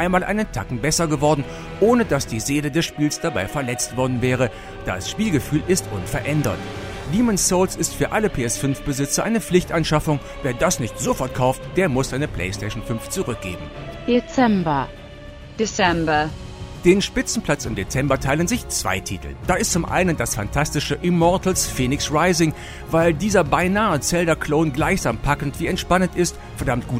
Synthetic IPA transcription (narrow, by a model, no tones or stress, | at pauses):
ʔaɪnmaːlʔa̰ɪnəntʰakŋ̩bɛsɐɡəvɔɐdn̩ | ʔoːnədasd̥iːzeːlədɛsʃpiːlsd̥abaɪfɛɐlɛt͡stv̥ɔɐdn̩vɛːʁ̞ə | d̥a̰sʃpiːlɡəfyːlʔɪstʔʊnfɛɐʔɛndɐ̰t | diːmɛnssolsɪstfyːɐʔaləpʰeːɛsfʏnfb̥əzɪt͡sɐʔaɪnəp͡flɪçtʔanʃafʊŋ | veːɐdasnɪçtz̥ofɔɐt̚kʰaʊftd̥eːɐmʊsz̥aɪnəpʰl̥ɛɪstʰɛʃn̩fʏnft͡suʁʏk̚ɡ̥ḛːbm̩d̥et͡sɛmbɐ | d̥et͡sɛmbɐ | d̥eːnʃpɪt͡sn̩pʰl̥at͡sɪmdet͡sɛmbɐtʰaɪlənzɪçt͡sv̥a̰ɪtʰḭːtl̩d̥aːɪstt͡sʊmʔa̰ɪnəndasfa̰ntʰastɪʃəʔɪmɔɐtl̩sfeːnɪksʁaɪzɪŋ | vaɪldiːzɐbaɪnaːət͡sɛldɐkʰl̥oːnɡlaɪçz̥aːmpʰakn̩tv̥iːɛntʃpanəntɪst | fɛɐdamt̚ɡ̥uː